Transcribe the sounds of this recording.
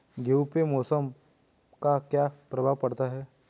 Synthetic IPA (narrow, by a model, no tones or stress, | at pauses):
ɡewpemɔːsəm | kakjaːpɾɐbʱaʋpɐɽt̪aɦɛː